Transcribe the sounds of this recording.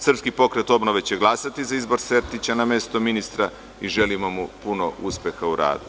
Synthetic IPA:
sr̩pskipo̞kɾe̞t̪o̞bno̞ʋe̞t͡ɕe̞ɡlˠasat̪izaizbo̞ɾse̞ɾt̪it͡ɕaname̞st̪o̞minist̪ɾa | iʒe̞limomupunoʔuspje̞xauɾa̰ːd̪u

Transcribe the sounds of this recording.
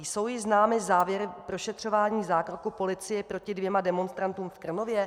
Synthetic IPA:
jso̞wjɪznaːmɪzaːvjɛɾɪpɾoʃɛt̪r̥o̞vaːɲiːzaːkɾokupo̞lɪt͡sɪjɛpɾo̞cɪdvjɛmadɛmo̞nst̪ɾant̪uːmfkr̩no̞vjɛ

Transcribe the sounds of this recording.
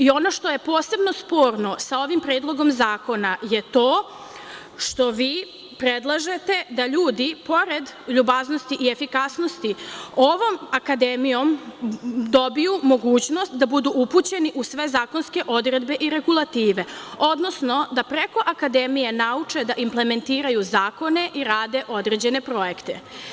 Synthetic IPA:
io̞no̞ʃt̪o̞je̞po̞ːse̞bno̞spo̞ːɾno̞sao̞ʋimpɾeːd̪lˠo̞ɡo̞mzaːko̞najet̪oː | ʃt̪o̞ʋiː | pɾed̪lˠaʒe̞t̪e̞d̪aʎuːd̪ipo̞ɾed̪ʎubazno̞st̪iʔie̞fikasno̞st̪io̞ʋo̞makad̪emijo̞m | d̪o̞bijumo̞ɡuːt͡ɕno̞st̪d̪abud̪uʔuput͡ɕe̞niʔusʋe̞zaːko̞nske̞ʔo̞d̪ɾe̞d̪be̞ʔiɾe̞ɡulˠat̪iːʋe̞o̞d̪no̞sno̞d̪apɾeko̞ʔakad̪emije̞naut͡ʂe̞d̪aʔimple̞me̞nt̪iːɾajuzaːko̞ne̞ʔiɾaːd̪e̞ʔo̞d̪ɾed͡ʑe̞ne̞pɾo̞je̞kt̪e

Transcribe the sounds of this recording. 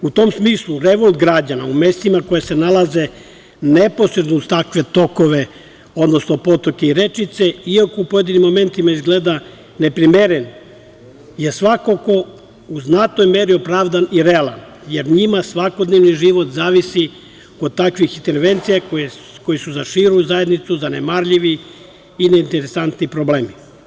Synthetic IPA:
ut̪o̞msmiːslˠuɾeʋo̞lˠt̪ɡɾad͡ʑanaume̞st̪imako̞jasenalˠaze | neposɾe̞d̪noud̪t̪akʋe̞t̪o̞koʋe̞ | o̞d̪no̞sno̞po̞t̪oke̞iɾe̞t͡ʃit̪se̞iakoupoje̞d̪inimːo̞me̞nt̪imaizɡled̪a | nepɾimeɾen | jesʋakoko̞ | uznat̪nojme̞ɾiopɾaːʋd̪aniɾealˠan | jeɾɲimasʋakod̪neʋniʒiʋo̞t̪zaːʋisi | od̪̚t̪ːakʋixint̪eɾʋent̪sijako | ko̞jisuzaʃiɾuzajed̪nit̪suzanemaɾʎiʋiː | neint̪eɾesant̪nipɾobleːmi

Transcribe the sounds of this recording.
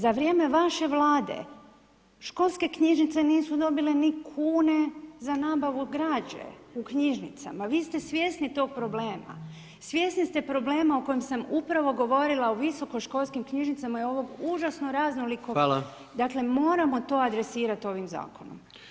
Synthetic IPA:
zaʋɾʲje̞ːme̞ʋaʃe̞ʋlaːd̪e̞̰ | ʃko̞lˠske̞kɲiʒnit̪se̞niːsud̪o̞bile̞nikʰuːne̞zanaːbaʋuɡɾaːd͡ʑḛukɲiʒnit̪sa̰maʋiːst̪e̞sʋje̞ːsnit̪o̞ːɡ̚pɾo̞ble̞ːma̰ | sʋje̞snist̪e̞pɾo̞ble̞ːmaoko̞jemsamupɾaʋo̞ɡo̞ʋo̞ɾilˠaoʋiso̞koʃko̞lˠskimkɲiʒnit̪samajeo̞ʋo̞ɡuʒasnoɾaznoliko | d̪akle̞mo̞ːɾamo̞t̪o̞ːad̪ɾe̞siːɾat̪o̞ʋimza̰ːko̞no̰m

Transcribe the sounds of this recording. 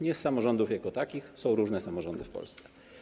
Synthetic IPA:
ɲɛsːamɔʐɔnd̪ufjakɔt̪akʲixsɔ̃w̃ɾuʐnɛsamɔʐɔnd̪ɘ̰fpɔ̰lst̪sɛ̥

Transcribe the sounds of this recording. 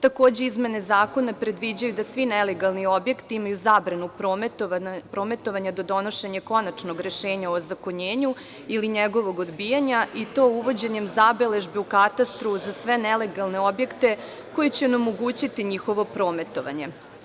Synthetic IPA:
t̪ako̞ːd͡ʑe̞izme̞ne̞zaːko̞napɾe̞d̪ʋid͡ʑajud̪asʋinele̞ɡalˠnio̞bje̞kt̪iimajuzabɾanupɾomt̪pɾo̞ːme̞t̪o̞ʋaɲad̪o̞d̪o̞no̞ʃe̞ɲako̞nat͡ʃno̞ɡɾe̞ʃe̞ːɲaozakoɲeːɲu | iliɲeɡo̞ʋo̞ɡo̞d̪bijaɲait̪o̞uʋo̞d͡ʑe̞ɲemzabele̞ʒbiukat̪ast̪ɾuzasʋe̞nele̞ɡalˠne̞o̞bje̞kt̪e̞ | ko̞jet͡ɕeonemoɡuːt͡ɕit̪iɲixo̞ʋo̞pɾo̞ːme̞t̪o̞ʋa̰ɲe̞

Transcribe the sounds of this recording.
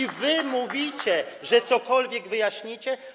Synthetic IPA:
ivɘmuvʲit͡ɕɛʐɛt̪sɔkɔlvʲjɛɡvɘjaɕɲit͡ɕɛ

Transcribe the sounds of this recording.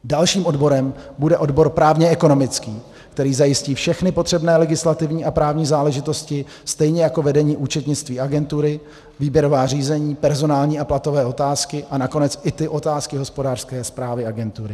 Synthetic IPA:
dalʃiːmʔo̞dbo̞ɾɛmbudɛʔo̞dbo̞ɾpɾaːvɲɛɛko̞no̞mɪt͡skiː | kt̪ɛɾiːzajɪsciːfʃɛxnɪpo̞t̪r̝̥ɛbnɛːlɛɡɪslat̪ɪvɲiːʔapɾaːvɲiːzaːlɛʒɪt̪o̞scɪ | st̪ɛjɲɛjako̞vɛdɛɲiːʔut͡ʃɛt̪ɲɪt͡st̪viːaɡɛnt̪uɾɪ | viːbjɛɾo̞vaːriːzɛɲiːpɛɾzo̞naːlɲiːaplat̪o̞vɛːo̞t̪aːskɪʔanako̞nɛt͡sʔɪt̪ɪʔo̞t̪aːskɪɦo̞spo̞daːr̥skɛːspɾaːvɪaɡɛnt̪uɾɪ

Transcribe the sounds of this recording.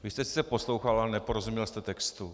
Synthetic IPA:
vɪst̪ɛsi̥t͡ssɛposlowxalanɛpoɾozumɲɛlst̪ɛt̪ɛkst̪u

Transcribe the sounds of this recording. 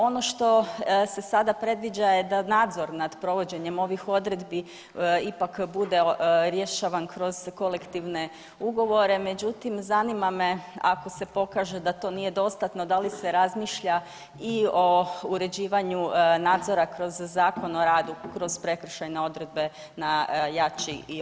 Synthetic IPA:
o̞no̞ʃt̪o̞se̞sad̪apɾe̞d̪ʋid͡ʑajed̪anaːd̪zo̞ɾnad̪pɾo̞ʋo̞d͡ʑe̞ɲe̞mo̞ʋixo̞d̪ɾe̞d̪bi | ipakbud̪e̞ɾje̞ʃaʋankɾo̞z̥ko̞le̞kt̪iʋne̞ | uɡo̞ʋo̞ɾe̞me̞d͡ʑut̪imzanimame̞a̰ko̞se̞po̞kaːʒe̞d̪at̪o̞nije̞d̪o̞st̪at̪no̞d̪alise̞ɾazmiːʃʎa | io̞uɾe̞d͡ʑiːʋaɲunaːd̪zo̞ɾakɾo̞zːaːko̞no̞ɾaːd̪ukɾo̞z̥pɾe̞kr̩ʃajneo̞d̪ɾe̞d̪̚be̞ | najat͡ʃii

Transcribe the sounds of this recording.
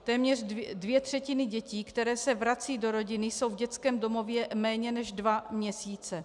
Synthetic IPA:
t̪ɛːmɲɛr̝dvjɛt̪r̝̥ɛcɪnɪɟɛciːkt̪ɛɾɛːsɛvɾat͡siːdo̞ɾo̞ɟɪnɪso̞wvɟɛt͡skɛːmdo̞mo̞vjɛmɛːɲɛnɛʒdvamɲɛsiːt͡sɛ

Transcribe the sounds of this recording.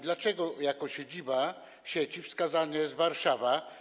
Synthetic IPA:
d̪lat͡ʂɛɡɔjakɔɕed͡ʑiba | ɕet͡ɕifskazaɲɛzvaɾʂava

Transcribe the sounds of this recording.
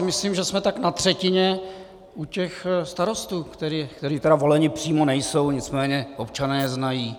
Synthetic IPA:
mɪsliːmʒɛsmɛt̪aknat̪r̝̥ɛcɪɲɛ | ucɛxst̪aɾo̞st̪uːkt̪ɛɾikt̪ɛɾiːt̪ɛɾavo̞lɛɲɪpr̝̥iːmonɛjso̞wɲɪt͡smɛːɲɛʔopt͡ʃanɛːznajiː

